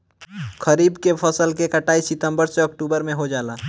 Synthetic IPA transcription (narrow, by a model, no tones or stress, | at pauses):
kʰəɾiːbkepʰəsəlkekəʈaːisɪt̪ə̃mbəɾseɔkʈuːbəɾmẽɦod͡ʒaːlaː